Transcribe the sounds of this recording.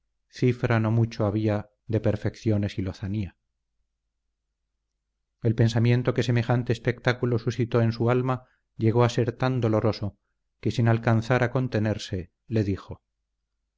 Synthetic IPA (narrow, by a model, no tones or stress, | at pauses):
θifɾano̞mut͡ʃoaβ̞ia | ðe̞pe̞ɾfe̞kθjo̞ne̞silo̞θania | e̞lpẽ̞nsamje̞nt̪o̞ke̞se̞me̞xant̪eːspe̞kt̪akulo̞susit̪o̞e̞nsualma | ʎe̞ɣ̞o̞ase̞ɾt̪and̪o̞lo̞ɾo̞so̞ | ke̞sinalkanθaɾako̞nt̪e̞ne̞ɾse̞ | le̞ðixo̞